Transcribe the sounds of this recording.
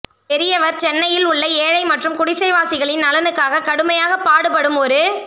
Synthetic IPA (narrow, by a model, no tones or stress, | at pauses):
pɛɾɪjɐʋɐɾt͡ʃɛnːɐjɪlʊɭːɐeːɻɐɪmɐʈrɯmkʊɽɪsɐɪʋaːsɪɣɐɭɪnːɐlɐnɯkːaːɣɐkɐɽɯmɐjaːɣɐpːaːɽɯpɐɽɯmɔɾɯ